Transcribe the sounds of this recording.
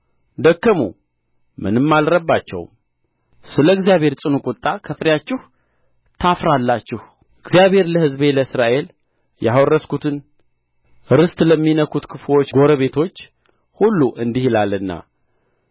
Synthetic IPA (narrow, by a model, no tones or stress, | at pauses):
d̪əkːəmṵ | mɨnɨmːalɾəbːat͡ʃːɛ̰w | sɨləɨɡzijaβhe̞ɾsʼɨnukʼʊt̪ʼːakʰəfɾjat͡ʃːɪh | t̪ʰafɾalːat͡ʃːɪh | ʔɨɡzijaβe̞ɾləhɨzβe̞ləɨsɾaʔe̞l | jawɔrːəskʰut̪ʰɨn | ɾɨst̪ʼləmːinəkʰut̪kʰɨflo̞t͡ʃːɡo̞ɾəβe̞t̪ʰo̞t͡ʃː | hulːuʔɨnd̪ihilalːɨnːa̰